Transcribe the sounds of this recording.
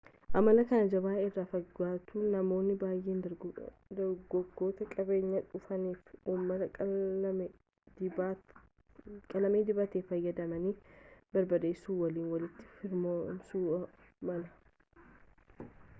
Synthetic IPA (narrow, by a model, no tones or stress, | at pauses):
ʔɐmɐlɐkɐnɐd͡ʒɐbaːɪrːaːfɐɡaːt̪unɐmo̞ːnːɪbaːjʔeːnd̪ɐɾ | d̪ɐɾɡɔɡo̞ːt̪ɐkʼɐbe̞ːɲːɐᶑʊfɐniːfuːmːɐt̪ɐ | kʼɐlɐmeːd̪ɪbɐt̪eːfɐjːɐd̪ɐmɐniːbɐɾbɐd̪eɪsuːwɐliːnwɐlɪt̪ːɪ̥fɪɾmomsuːɐ | mɐlɐ